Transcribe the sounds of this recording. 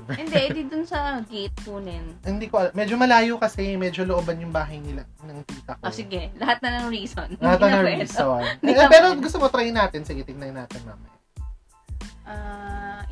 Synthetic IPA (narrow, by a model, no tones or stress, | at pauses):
ɪnd̪ɛʔd̪id̪ʊnsɐɡejt̪̚konɛnhɪnd̪iːkoʔɐlamɛːd͡ʒomɐlaːjokɐsɛmɛːd͡ʒoloʔobɐnjʊŋbaːɦɐjnɪla | nɐŋt̪iːt̪ɐkʔosɪɡɛlɐhat̪̚nɐnɐŋɹiːsonlɐhat̪nɐnɐiːssonpɛːɾoɡʊs̬t̪omot̪ɾajnaːt̪ɪnsɪɡɪt̪ɪɡ̚nɐjnaːt̪ɛnma̰ːmɐ̰j | ʔa